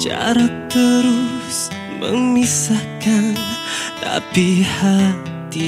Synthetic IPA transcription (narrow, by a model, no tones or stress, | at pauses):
t͡ʃa̰ɾat̪əɾus | mə̰ŋmisahkant̪a̰piha | t̪i